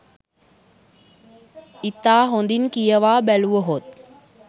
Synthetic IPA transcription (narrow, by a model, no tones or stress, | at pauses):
it̪aːɦond̪iŋkijəʋaːbæluʋəɦot̪̚